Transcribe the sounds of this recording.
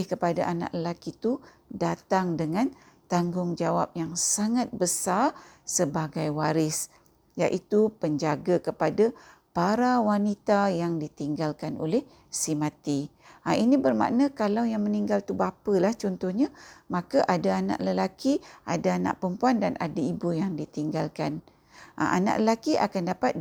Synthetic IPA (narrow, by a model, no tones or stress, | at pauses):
hkəpadaʔana̰ʔləlakit̪u | dat̪aŋdəŋãn | t̪aŋɡʊŋd͡ʒawap̚jaŋsaŋat̪̚bəsarsəbaɡajwaɾɪs | jaʔit̪upəɲd͡ʒaɡakəpadapaɾawanit̪ajaŋdit̪iŋɡalkano̰lɛh | simãt̪iainibərmã̰ʔnakalawjaŋməniŋɡalt̪ubapəlaht͡ʃɔnt̪ɔhɲamãkaʔadaana̰ʔləlakiʔa̰daana̰ʔpəmpuandanʔa̰daibujaŋdit̪iŋɡalkan | ʔa̰ʔa̰na̰ʔləlakiʔa̰kandapat̪̚